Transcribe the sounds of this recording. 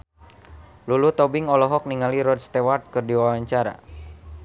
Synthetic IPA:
lulut̪ɔbiŋɔlɔɦɔk̚niŋaliɾɔd̚st̪ewart̪̚kɨrdiwawaɲt͡ʃaɾa̰

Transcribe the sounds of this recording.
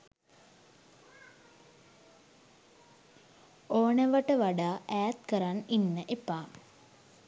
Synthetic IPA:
oːnɐʋɐʈəʋaɖaːʔæːt̪kəɾaninːəʔepːaːm

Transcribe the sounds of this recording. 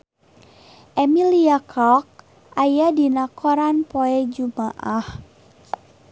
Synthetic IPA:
ʔɛmiliakʰɔk̚ | ʔajadinakɔɾanpoɛd͡ʒumaʔah

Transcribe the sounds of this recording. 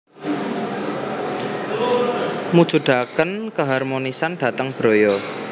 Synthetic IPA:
mud̥ʒ̥ṳd̪̥akənkəɦarmonisanɖ̥ä̤t̪əŋb̥ɾo̤jɔ

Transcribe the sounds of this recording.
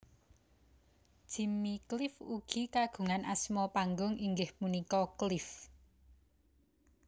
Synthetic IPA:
d̥ʒ̥i̤miklɪfuɡ̥i̤kaɡ̥ṳŋanʔasmɔpaŋɡʊŋiŋɡɪhmunikɔklɪf

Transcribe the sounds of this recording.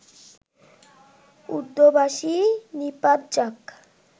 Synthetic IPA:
ud̪ːobaʃinipadd͡ʒak

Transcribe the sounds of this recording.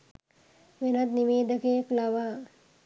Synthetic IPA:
ʋenat̪niʋeːd̪əkeklaʋaː

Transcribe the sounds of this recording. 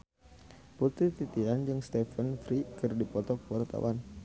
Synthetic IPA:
put̪ɾit̪it̪iand͡ʒɨŋst̪ɛfənfɾikɨrdipɔt̪ɔkəwart̪a̰wʔan

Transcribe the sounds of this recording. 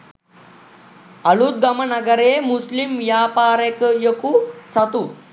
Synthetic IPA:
ɐɭud̪̚ɡɐmɐnɐɡɐɾemuslimjaːpaːɾekjɐkusɐt̪u

